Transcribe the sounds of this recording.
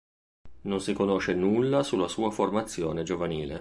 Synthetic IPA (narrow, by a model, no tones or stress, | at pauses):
nonsikonoʃenulːasulːasuːaformat̪sːjo̰ːned͡ʒovaniːlḛ